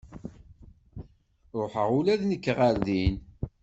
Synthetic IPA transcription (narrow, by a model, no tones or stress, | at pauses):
ɾoħəʁulæðnəkːʁaɾðin